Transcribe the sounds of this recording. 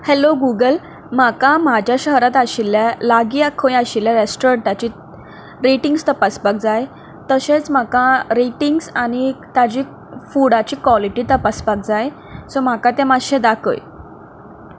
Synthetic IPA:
hɛloɡuɡəl | m̤akamad͡ʑʱjaɕəɦɾat̪aɕilːjalaɡiːakʰəjaɕiljaɾesʈoɾəɳʈat͡ɕiː | ɾiʈiŋɡst̪əpasbak̚d͡zaj | t̪əɕet͡sm̤akãɾiʈiŋɡsañit̪ad͡ʑiː | fuɽat͡ɕiːkʋɔliʈiːt̪əpasbak̚d͡zaj | sɔm̤akat̪ɛ̃maɕɛ̃d̪akʰə̰j

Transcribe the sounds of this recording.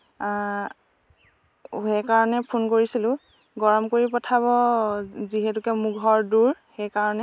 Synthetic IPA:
ɦɛkaɹɔnɛpʰunkoɹisilʊ̃ | ɡɔɹɔmkoɹipɔtʰaβɔ | ziɦɛtʊkɛmuɡʱɔɹduɹxɛjkaɹɔnɛ

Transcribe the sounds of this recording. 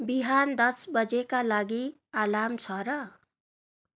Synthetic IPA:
biɦand̪ʌsbʌd͡zekalaɡi | alamt͡sʰʌɾʌ

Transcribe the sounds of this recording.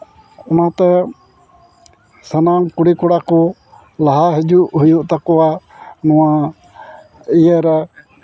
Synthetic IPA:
ɔnat̪ɛ | sənamkuɽikɔɽakɔ | laɦaɦɛd͡ʒuʔɦujuʔt̪akɔwanɔwa | ijəɾɛ

